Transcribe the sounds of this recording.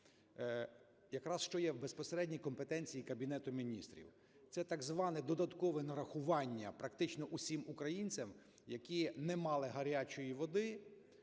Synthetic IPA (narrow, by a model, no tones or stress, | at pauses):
jɐkɾɑsʃt͡ʃɔjɛwbespɔseɾɛdʲnʲijkɔmpet̪ɛnʲt͡sʲijikɐbʲinɛt̪ʊmʲinʲist̪ɾʲḭw | t̪sɛt̪ɐɡzʋɑnɛd̪ɔd̪ɐt̪kɔʋɛnɐɾɐxʊʋɑnʲːɐpɾɐkt̪ɪt͡ʃnɔʔusʲimukɾɐjinʲt͡sʲɐm | jɐkʲinɛmɑlˠɪɦɐɾʲat͡ʃɔjiʋɔd̪ɪ